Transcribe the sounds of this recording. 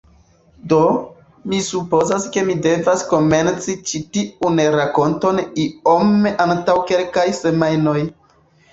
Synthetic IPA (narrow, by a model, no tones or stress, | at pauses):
do̞ | misupo̞zaske̞mide̞vasko̞me̞nt͡sit͡ʃitiunɾako̞nto̞nio̞meʔantawke̞lkajse̞majno̞j